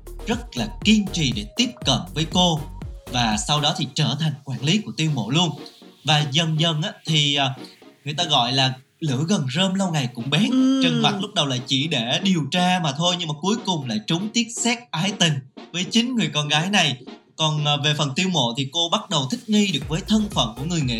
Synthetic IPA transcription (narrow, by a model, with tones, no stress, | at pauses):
zə˦˥t̚laː˨˩ki˧ənt͡ɕḭ˧˨ɗe˧˩t̪i˦˥əp̚kə̰˧˨mvəː˨˦jko˧vaː˨˩sa˧wɗɔ˨˦t̪ʰi˨˩t͡ɕəː˧˩t̪ʰa˨˩jŋ̟kwaː˧˩nli˨˦ku˧˩ət̪i˧əwmo̰˧˨lu˧ənvaː˨˩zə˨˩nzə˧˩nʔaː˨˧˦t̪ʰiː˨˩˨ŋɨ˨˩əjt̪aː˧ɣɔ̰˧˨jlaː˨˩ | lɨ̰˧˥ɣə˨˩nzəː˧mlə˧wŋa˨˩jkʊ̰˧˥ŋ͡mɓɛ˨˦nt͡ɕə˨˧˩ŋva˨˩lʊ˦˥k͡p̚ɗə˨˩wla̰ː˧˩jt͡ɕi˧˩ɗe˧˩ɗi˨˩əwt͡ɕaː˧maː˨˩t̪ʰo˧jɲɨ˧ŋmaː˨˩ku˨˦əjkʊ˨˩ŋ͡mla̰ː˧˨jt͡ɕʊ˨˦ŋ͡mt̪i˦˥əp̚sɛ˦˥k̚ʔaː˨˦jt̪ï˨˩ŋ̟vəː˨˦jt͡ɕï˨˦ŋ̟ŋɨ˨˩əjkɔ˧nɣaː˨˦jna˨˩j | kɔ˨˩nː˨˩ve˨˩fə˨˩nt̪i˧əwmo̰˧˨t̪ʰi˨˩ko˧ɓa˦˥t̚ɗə˨˩wt̪ʰï˦˥k̚ŋi˧ɗɨ˨˩ək̚vəː˨˦jt̪ʰə˧nfə̰˧˨nku˧˩əŋɨ˨˩əjŋḛ˧˨